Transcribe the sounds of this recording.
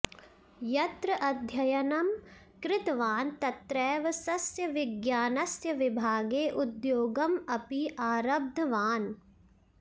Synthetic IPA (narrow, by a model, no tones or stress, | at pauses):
jɐt̪ɾɐʔɐd̪ʱjɐjɐnɐm | kɾɪt̪ʋaːnt̪ɐt̪ɾɛːʋɐsɐsjɐʋɪɡjaːnɐsjɐʋɪbʱaːɡeːʔud̪joːɡɐmɐpiʔaːɾɐb̚d̪ʱɐʋaːn